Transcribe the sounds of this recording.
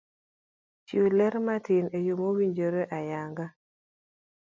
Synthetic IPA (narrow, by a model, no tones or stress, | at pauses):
t͡ʃulɛɾmatinejomowiɲd͡ʒoɾeʔajaŋɡa